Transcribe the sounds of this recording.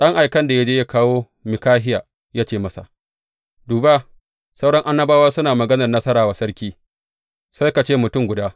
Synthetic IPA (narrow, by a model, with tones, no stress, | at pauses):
ɗɐ˦ŋʔa˨jkɐ˦nda˨ja˦d͡ʒeː˦ja˦kaː˦woː˦ | mɪ˨kaː˦ɦɪ˦jaː˨ | jaː˦t͡ʃeː˦˨mɐ˦sa̰˨ | duː˨ba˦ | sa˦wɽɐ˦ŋʔa˦nːɐ˦baː˦wa˦sʊ˦naː˨mɐ˨ɡɐ˦nɐ˨rnɐ˦sɐ˦ɾaː˨wa˨sɐ˦ɽkʲiː˦ | sa˦jka˨t͡ʃeː˦mʊ˨tʊ˦˨ŋɡʷʊ˨daː˦